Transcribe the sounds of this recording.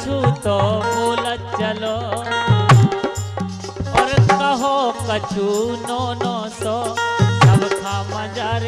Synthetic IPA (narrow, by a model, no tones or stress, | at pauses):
uːt̪omoːlə | t͡ʃɐloː | ɐɾkɐɦokɐt͡ʃʰuːnoːnoːsoːsɐbkʰaːmɐd͡ʒaːɾ